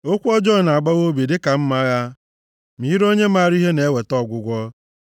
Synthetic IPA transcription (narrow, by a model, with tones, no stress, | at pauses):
o˦kʷɔ˦d͡ʒɔ˦˨na˨ɡ͡ba˦ɣo˦bi˨dɪ˦ka˨m̩˦ma˦ja˦ | mi˨˦ɾo˦ɲe˦ma˦˨ɾi˦ɦe˦ne˨e˦we˨tɔ˦˨ɡʷʊ˨ɡʷɔ˦